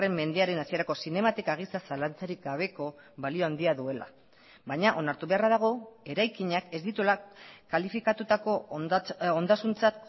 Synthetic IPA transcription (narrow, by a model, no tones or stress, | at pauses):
e̞mːe̞nd̪eaɾe̞nasie̞ɾako̞sine̞mat̪ekaɣ̞isasalant͡saɾik̚ɡaβ̞e̞ko̞ | βalio̞and̪iaðue̞la̰ | βajɲaʔo̞naɾt̪uβe̞araðaɣ̞o̞e̞ɾajkiɲake̞zd̪it̪ulakalifikat̪ut̪ako̞ | ond̪asunt͡sat̪̚